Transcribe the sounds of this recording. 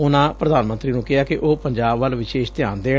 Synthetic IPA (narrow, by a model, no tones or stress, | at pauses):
ʊnãːpɾəd̪aːnmə̃nt̪ɾiːnũːkɪɦaːkɪʔoːpəɲd͡ʒaːbʋəlʋɪʃeːʃt̪ɪjaːnd̪eː